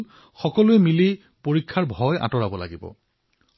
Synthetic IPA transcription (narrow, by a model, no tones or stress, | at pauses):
n | xɔkɔlʊɛmile | poɹikʰːaɹbʱɔja̰tɔɹabɔla̰ɡibɔ̰